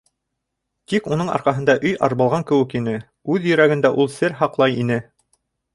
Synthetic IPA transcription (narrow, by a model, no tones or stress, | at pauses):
t̪ikunɤɴɑ̰ɾqɑɦɤ̆nd̪ɑʔɵjɑ̰ɾβɑlˠʁɑŋkɘ̆wɘ̆kinɘ | ʉðjɵ̆ɾæɡɘ̆nd̪æʔulˠsɘɾɦɑqlˠɑjinɘ